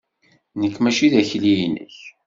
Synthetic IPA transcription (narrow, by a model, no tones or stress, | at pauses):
nəkːmæʃiðæçlijnə̰ç